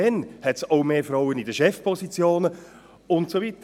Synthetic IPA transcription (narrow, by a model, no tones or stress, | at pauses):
ɛnhɛtsoʊmeːfraʊənidəʃɛfpʰɔsit͡sjoːnə | ʊntsovitə